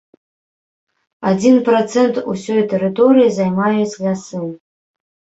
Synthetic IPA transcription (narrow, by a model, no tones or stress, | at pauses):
ad͡zʲinprot͡sʰentʰusʲojat̪ʰeɾɨtʰoɾijazajmajet͡sʲlʲasɨm